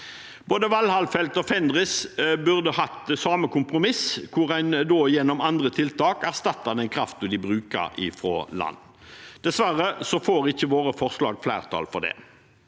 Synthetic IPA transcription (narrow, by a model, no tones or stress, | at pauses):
boːd̪əʋɑlhɑlfɛlt̪ɔfɛnd̪ʁɪsbʉʁd̪əhɑt̪sɑːməkʰʊmpʁʊmɪskʰʊʁæɪnd̪oːjɛnːɔmɑnd̪ʁət̪ʰɪlt̪ʰɑːkæʁst̪ɑt̪ʰːɑd̪ɛnkʰɾɑft̪ɔd̪ɪbʁʉːkə̰ɾɪ̰fɾo̰ːlɑ̰nː | d̪̥ɛsʋæɾəsɔfoːɾɪçːəʋoːʁəfɔʁslɑ̰ːɡflæ̰ːʁt̪ʰɑ̰ːlfɔʁd̪ɛ̰ː